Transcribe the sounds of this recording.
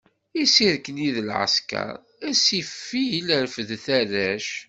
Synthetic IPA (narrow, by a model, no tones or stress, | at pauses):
isiɾkəniðəlʕə̰skɑ̰ɾˤ | æsifːijiləɾfəðθæɾæʃ